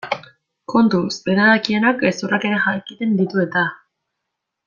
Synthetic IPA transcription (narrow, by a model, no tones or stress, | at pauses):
ko̞nt̪usbe̞ɾaðakie̞nakesurake̞ɾexakit̪e̞nd̪it̪ue̞t̪a